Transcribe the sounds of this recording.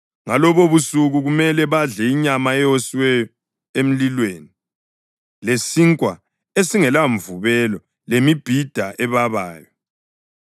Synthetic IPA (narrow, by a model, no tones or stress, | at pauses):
ŋalɔβoβusuɣuɣumɛlɛβaɮɛiɲamaɛjosiwɛjɔ | em̩lilweːni | lesiŋkʼwa | esiŋɛlaɱvuβɛlɔ | lemib̥ʱid̥ʱaʔɛβaβaːjɔ